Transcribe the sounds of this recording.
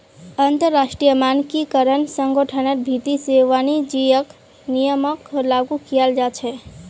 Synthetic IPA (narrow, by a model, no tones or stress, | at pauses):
ənt̪əɾːasʈɾijəmankikəɾənsəŋɡəʈʰənəɾ̚bʱit̪iseʋanid͡ʒijək | nijəməklaɡukijəld͡ʒat͡ʃʰɛ